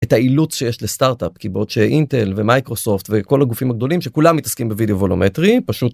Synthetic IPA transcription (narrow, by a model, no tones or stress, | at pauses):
etailut͡sʃe̞jeʃle̞staʁtapkibo̞d̪ʃeʔinte̞lvemajkʁo̞so̞ftveko̞laɡufimaɡ̚d̪o̞limʃe̞kulamːitɐskimbevideovolometʁipaʃut̪